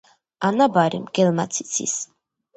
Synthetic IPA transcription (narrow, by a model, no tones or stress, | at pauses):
anabaɾḭmɡ̥ɛlmat̪sʰi̥t̪sʰḭs